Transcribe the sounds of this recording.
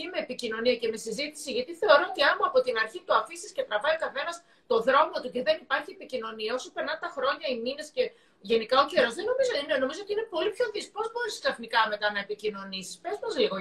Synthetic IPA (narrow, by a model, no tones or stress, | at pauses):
ime̞ːpicino̞niɐce̞me̞sizit̪i̥siʝɐt̪iθe̞o̞ɾo̞ot̪iɐmuɐpo̞t̪inɐɾçit̪uɐfisiscet̪ɾɐvɐikɐθe̞nɐs | t̪o̞ðɾo̞mo̞t̪uce̞ðe̞nipɐɾçie̞picino̞niɐo̞sopeɾnɐnt̪ɐxɾo̞ɲɐimine̞sce̞ | ʝe̞nikɐoceɾozðe̞no̞mizoneno̞mizoot̪iine̞po̞lipço̞ðispo̞zbo̞ɾisi̥k̪sɐθnikɐme̞t̪ɐnɐepicino̞nisi̥spe̞zmɐzliɣo